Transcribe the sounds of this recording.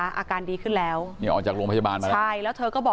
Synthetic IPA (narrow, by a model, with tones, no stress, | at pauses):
ʔa̰ː˧kaː˧ndiː˧kʰɯ˥˩nlɛː˦˥wniː˥˩ʔɔː˨˩t͡ɕaː˨˩kɾu˧ŋpʰa˥a˧baː˧nma˧t͡ɕʰa˥˩jlɛː˦˥wt̪ʰɤː˧kɔː˥˩bɔː˨